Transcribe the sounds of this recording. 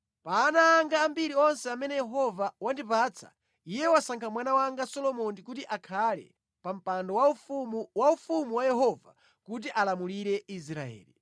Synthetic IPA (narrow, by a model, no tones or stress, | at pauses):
paːnaːŋɡaːmbiɾiɔnsɛamɛnɛjɛɦɔvawandipaːt͡sʰḁ̰ | ijɛwasaŋkʰamwanawaŋɡasɔlɔmɔndikutiʔakʰalɛ̰ | pam̩pandɔwaumwaufumuwajɛɦɔva̰ | kut̬iʔalamuliɾɛisɾa̰ɛ̰ːli